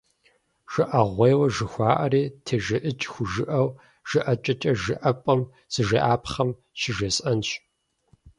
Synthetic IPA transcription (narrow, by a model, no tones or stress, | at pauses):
ʒ̥ɨʔɐʁʷejwɐʒɨxʷɑːʔɐriːtʰeːʒɪʔɨt͡ʃʼxʷʊʒɨʔɐw | ʒ̥ɨʔɐt͡ʃʼɐt͡ʃʼɐʒɨʔɐpʼɐm | z̥ɨʒeːʔaːpχɐm | ʃɪʒesʼɐnɕ